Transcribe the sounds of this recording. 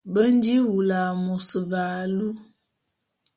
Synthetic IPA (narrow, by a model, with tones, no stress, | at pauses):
bə˦n˦di˦wu˨la˨mu˨sə˨va˨lu˦